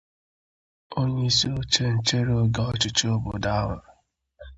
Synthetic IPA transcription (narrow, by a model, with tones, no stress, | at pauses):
o˦ɲe˦i˦si˦o˦t͡ʃe˦n̩˨t͡ʃe˦ɾe˦o˦ɡa˦ɔ˦t͡ʃɪ˨t͡ʃe˦o˦bo˨da˦a˦ŋʷʊ˨